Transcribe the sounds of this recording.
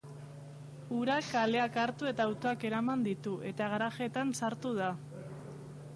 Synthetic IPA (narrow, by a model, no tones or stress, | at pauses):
uɾakale̞akaɾt̪ue̞t̪aːwt̪o̞ake̞ɾamand̪it̪uʔe̞t̪aɣaɾaʝe̞t̪ansaɾt̪uð̞a